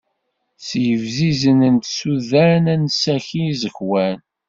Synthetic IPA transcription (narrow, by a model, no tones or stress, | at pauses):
sjəvzizənənt̪suðænænsæçizəçwæn